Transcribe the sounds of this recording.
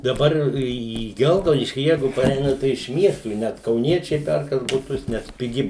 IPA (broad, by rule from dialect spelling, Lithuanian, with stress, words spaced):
dɐˈbɐr iː ˈɡʲɛlˠɡɐʊdʲɪʃʲkʲiː ˈjɛɪɡʊ pɐˈrʲɛɪnɐ tɐɪ ɪʃ ˈmʲiɛstuː ɪ ˈnʲɛt kɐʊˈnʲiɛt͡ʃʲɛɪ ˈpʲɛrkɐs bʊˈtʊs nʲɛs pʲɪˈɡʲɪ